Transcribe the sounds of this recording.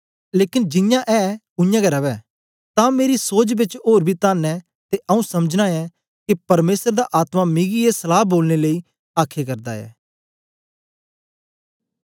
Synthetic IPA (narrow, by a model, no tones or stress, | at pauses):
leːkɪnd͡ʒɪjãʔɛː | ʊɪjãːɡɐɾɐʋɛː | t̪ãːmeːɾisoːd͡ʒbɪt͡ʃoːɾbʱiːt̪aːnɛː | t̪eʔɐũsɐməd͡ʒnaːɛː | kipɐɾmeːsəɾd̪aʔaːt̪mãmɪɡiesəlaːboːlneləiː | aːkʰekɐɾd̪aɛ̰ː